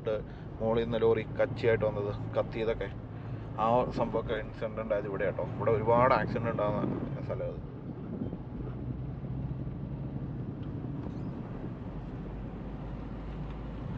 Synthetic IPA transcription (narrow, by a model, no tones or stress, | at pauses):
ʈːɨ | mo̞ːɭinːɐloːrikɐt͡ɕːijaːjiʈːɨʋɐnːɐðɨkɐt̪ːijɐðo̞kːe̞ | aːsɐmbʱɐʋokːeinsɳɖuɳɖaːjɐðiʋiɽejaːʈːoːiʋiɽeo̞ɾubaːɽɨaːksiɳɖuɳɖaːnːɐ̰st̪ʰɐlɐjɐðɨ